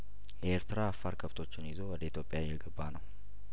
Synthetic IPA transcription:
jɛeɾt̪ʰɨɾaːfːaɾkʰəft̪ʰo̞t͡ʃːɪnizo̞wɔd̪əit̪ʰjo̞pʼjajːɛɡəbːanəw

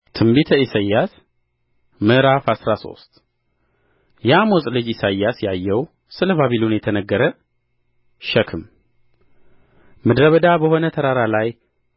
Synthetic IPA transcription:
t̪ʰɨmbit̪ʰəisajːas | mɨɾafasɾaso̞̰st̪ | jamosʼlɨd͡ʒisajːasjajːɛw | sɨləβaβilunjɛt̪ʰənəɡːəɾə | ʃəkʰɨm | mɨd̪ɾəβəd̪abəho̞nət̪ʰəɾaɾalaj

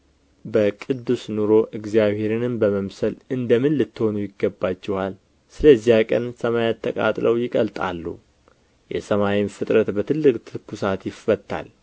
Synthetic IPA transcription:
bəkʼɨd̪ːusnuɾo̞ʔɨɡzijaβhe̞ɾɨnɨmbəməmsəlɨnd̪əmɨnlɨt̪ːɨho̞nujɪɡːəbːat͡ʃːɛhal | sɨləzijakʼə̰nsəmajat̪ʰːəkʼa̰t̪ʼləwjɪkʼəlt̪ʼa̰lːṵ | jɛ̰səmawimfɨt̪ʼɾət̪bət̪ʰɨlːɨkʼt̪ʰɨkʰːusat̪jɪfːət̪ːa̰l

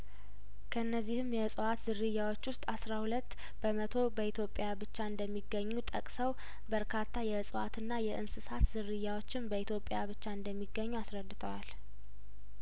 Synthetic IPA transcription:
kʰəɨnːəzːihɨmjɛsʼɨwat̪zɨɾːɨjːawo̞t͡ʃːwʊst̪ʼasɾahulət̪ː | b̥əmət̪ʰo̞bəit̪ʰjo̞pʼːjabɨt͡ʃːaɨnd̪əmːiɡːəɲːut̪ʼəkʼsəw | bəɾkʰat̪ʰːajɛsʼɨwa̰t̪ʰɨnːajɛʔɨnsɨsat̪zɨɾːɨjːawot͡ʃːɪmbəit̪ʰjo̞pʼːjaβɨt͡ʃːaɨnd̪əmːiɡːəɲːuasɾəd̪ːɨt̪ʰəwal

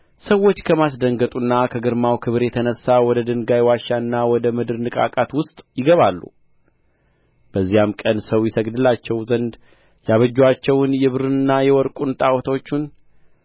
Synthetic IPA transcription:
səwːo̞t͡ʃːkʰəmasd̪əŋɡət̪ʼunːakʰəɡɨɾmawkʰɨβɨɾjɛt̪ʰənəsːawɔd̪əd̪ɨŋɡajwaʃːaɨnːawɔd̪əmɨd̪ɨɾnɨkʼa̰kʼat̪wʊst̪ʼjɪɡəβalːṵ | b̥əzːijamkʼənsəwjɛsəɡd̪ɨlat͡ʃːɛwzənd̪ | jaβəd͡ʒːwat͡ʃːɛwnjɛβɨɾɨnɨnːajɛwɔɾkʼunt̪ʼawɔt̪ʰwot͡ʃːun

